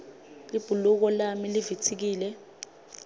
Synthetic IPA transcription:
lib̥ʱuluk̬ɔlamilivitʰik̬iːlɛ

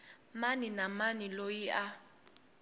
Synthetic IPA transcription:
maninamanilojia

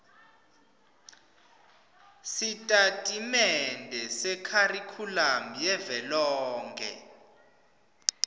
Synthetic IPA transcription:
sitʼatʼimɛndʱɛsɛkʰarikʰulamijɛvɛlɔːŋɡʱɛ̰

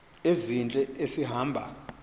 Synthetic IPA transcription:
ezint͡ɬʼɛesiɦaːmbʱa̰

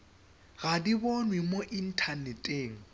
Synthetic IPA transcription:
ɣadibonwimoʔin̩tʰanɛtʼeːŋ̩

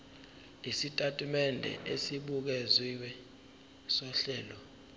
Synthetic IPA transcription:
isitʼatʼimɛndʱɛ̰ʔesiɓuk̬eziwɛ | sɔɬɛːlɔ

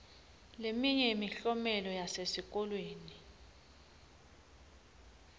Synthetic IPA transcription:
lemiɲɛmiɬɔmɛlɔjasesik̬ʼɔlweːni

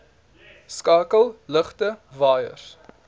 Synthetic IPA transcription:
skɑːkəlˠləχtəvɑːjə̰r

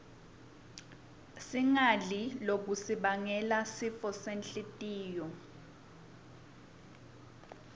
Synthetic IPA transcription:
siŋalilok̬usiɓaŋɛlasifɔsenɬitʼiːjɔ

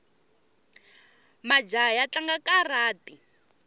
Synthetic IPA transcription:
mad͡ʒajat͡ɬaŋɡakaraːti

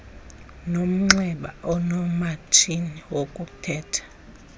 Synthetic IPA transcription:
nom̩ŋ͡ǁɛɓa̰ɔnɔmatʰiniwokʼutʰɛːtʰḁ

